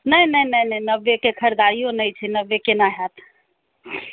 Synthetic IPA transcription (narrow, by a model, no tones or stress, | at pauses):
nəjnəjnəjnəjnəbːekekʰəɾd̪aɾijonəjt͡ʃʰɛnəʋːekenaɦat̪ʰ